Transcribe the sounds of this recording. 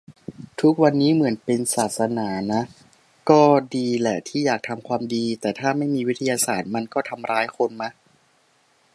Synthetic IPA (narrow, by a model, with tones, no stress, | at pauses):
t̪ʰu˦˥k̚wa˧nːiː˦˥mɯ˩˦ənpe˧nsaː˨˩t̪̚sa˧naː˩˦na˦˥ | kɔː˥˩diː˧lɛ˨˩t̪ʰiː˥˩jaː˨˩k̚t̪ʰa˧mkʰwaː˧mdiː˧t̪ɛː˨˩t̪ʰaː˥˩ma˥˩jmiː˧wi˦˥t̪ʰːa˧jaː˧saː˨˩t̪̚ma˧nkɔː˥˩t̪ʰa˧mɾaː˦˥jkʰo˧nma˦˥ʔ